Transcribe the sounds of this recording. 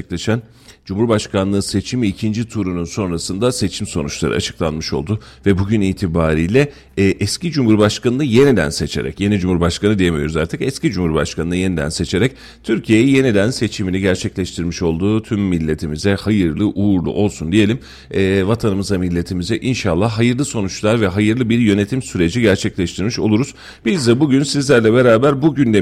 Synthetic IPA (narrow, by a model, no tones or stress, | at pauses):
ɛklʲeʃæn | d͡ʒumhuɾbaʃkʰanlˠɯːse̞t͡ʃʰimiːcʰind͡ʒit̪ʰuɾununso̞nɾasɯnd̪ase̞t͡ʃʰimso̞nut͡ʃlˠaɾɯ̰a̰t͡ʃʰɯ̥klˠanmɯʃo̞̰lˠd̪ʊvɛbuɟyniːt̪ʰibaːɾiːjlʲɛː | ʔɛscid͡ʒumhuɾbaʃkʰanɯnɯje̞nid̪æ̰nse̞t͡ʃʰe̞̰ɾɛ̰cje̞nid͡ʒumhuɾbaʃkanɯd̪ijemijo̞ɾuzaɾt̪ʰɯkɛscid͡ʒumhuɾbaʃkʰanɯnɯje̞nid̪æ̰nse̞t͡ʃʰe̞ɾɛc̚ | t̪ʰyɾcʰije̞jɛje̞nid̪ænse̞t͡ʃʰiminiɟæɾt͡ʃʰɛclʲɛʃt̪ʰiɾmiʃo̞lˠd̪uːt̪ʰymːilʲːe̞t̪ʰimizɛhajɯɾlˠɯʔuɾlˠṵʔo̞lˠsund̪ije̞lʲimː | vat̪ʰanɯmɯzamilʲːe̞t̪ʰimizɛʔinʃalˠːaɦajɯɾlˠɯso̞nut͡ʃlˠaɾvɛɦajɯɾlˠɯbiɾjø̞ne̞t̪ʰimsyɾe̞d͡ʒiɟæɾt͡ʃʰɛclʲɛʃt̪ʰiɾmiʃo̞̰lˠuɾuz̥ | b̥izd̪ɛbuɟynsizlʲæɾlʲɛbe̞ɾaːbæɾbuɟynd̪e